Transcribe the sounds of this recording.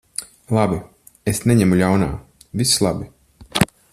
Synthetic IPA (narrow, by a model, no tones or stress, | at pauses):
lˠabi | esneɲɛmuʎʲawna̰ː | vislˠabi